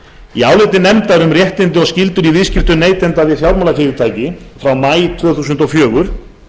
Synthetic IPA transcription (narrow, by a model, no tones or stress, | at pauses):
iaːwlɪjt̪ɪnɛmt̪aɾʏmrjɛht̪ɪnt̪ɪɔɣscɪlt̪ʏɾiviscɪft̪ʏneːjt̪ɛnt̪aðɪθjawɾmawlafɪːɾɪt̪ʰaːjcɪfɾawmaːjt̪ʰvœːθuːsʏnt̪ɔfjœːɣʏɾ̥